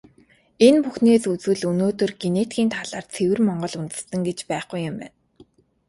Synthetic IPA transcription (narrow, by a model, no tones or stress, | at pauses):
enpuxneːsut͡swɘ̆ɮɵnoːt̪ɵ̆rɡenet̪ɡʲiːnt̪ʰaɮaːrt͡sʰewɘ̆rmɔɴɢɞ̆ɮunt̪ɘ̆ssə̆ŋɡet͡ɕpæːχɡujʊ̆mpæ̰ːn